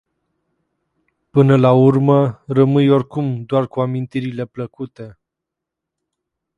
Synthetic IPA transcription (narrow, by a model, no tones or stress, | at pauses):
pɨnəlaurmərəmɨjorkumd̪oarkuamint̪iɾile̞pləkut̪e̞